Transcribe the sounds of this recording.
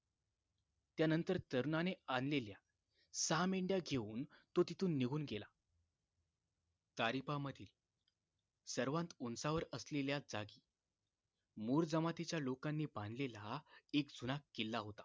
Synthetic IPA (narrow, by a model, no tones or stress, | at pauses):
t̪janənt̪əɾt̪əɾnaneanlelja | sameɳɖjaɡʱeuːnt̪ot̪it̪uːnːiɡʱuːnɡela | t̪aɾipaməd̪ʱiːl | səɾʋãnt̪unsaʋəɾəsleljad͡zaɡiː | muɾd͡zəmat̪it͡ɕjalokanːiːbãnd̪ʱlelaekd͡zʱunakːelːaɦot̪a